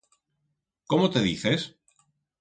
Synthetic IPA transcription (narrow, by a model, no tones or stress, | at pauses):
komot̪e̞ðḭθe̞s